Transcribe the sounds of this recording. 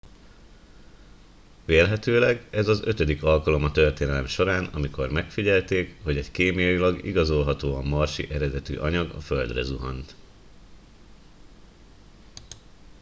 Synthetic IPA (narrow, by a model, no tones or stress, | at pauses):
ʋeːlɦɛt̪øːlɛɡɛzɒzø̞t̪ød̪ikɒlkɒlo̞mɒt̪ø̞rt̪eːnɛlɛmʃo̞ɾaːnɒmiko̞rmɛkfiɟɛlt̪eːkho̞ɟɛɟkeːmijɒjilɒɡḭɡɒzo̞lɦɒt̪oːɒmɒrʃḭʔɛɾɛd̪ɛt̪y̰ːʔɒɲɒɡɒ̰fø̞ld̪rɛ̰zuɦɒ̰nt̪